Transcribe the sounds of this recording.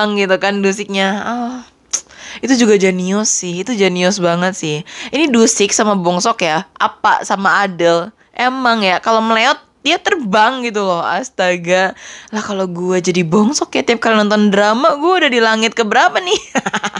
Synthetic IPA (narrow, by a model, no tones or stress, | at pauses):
ŋɡit̪ukandusɪk̚ɲaə | it̪ud͡ʒuɡad͡ʒaniɔsːɪhit̪ud͡ʒaniɔs̬baŋət̪̚sɪhinidusɪk̚samabɔŋsɔkjaʔa̰pa̰samaːdəl | ʔemaŋjakaloməleɔt̪̚diat̪ərbaŋɡit̪ulɔha̰st̪aɡalahkaloɡuad͡ʒadibɔŋsɔkjat̪iap̚kalanɔnt̪ɔndɾamaɡuɛudadilaŋɪt̪̚kəbəɾapanɪ